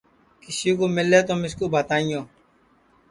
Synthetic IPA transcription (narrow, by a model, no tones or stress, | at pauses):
kɪsiːkoːmɪlːeːt̪oːmɪskoːbat̪aːijõː